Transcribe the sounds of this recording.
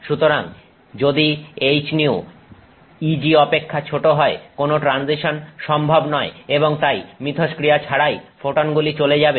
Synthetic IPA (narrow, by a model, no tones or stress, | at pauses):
ʃut̪oɾaŋ | d͡ʑod̪iejt͡ɕniu | id͡ʑiɔpekʰːat͡ɕʰoʈoɦɔekonoʈɾanziʃonʃɔmbʱabnɔeeβoŋt̪ajmɾit̪ʰoʃkɾijat͡ɕʰaɽajfoʈonɡulit͡ɕoled͡ʑabe